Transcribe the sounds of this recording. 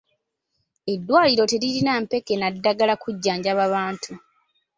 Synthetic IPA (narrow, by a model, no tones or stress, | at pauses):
e̞dːwaːliɾo̞te̞liɾinampe̞kenadːaɡalakuɟːaːɲɟaβaβaːntʰu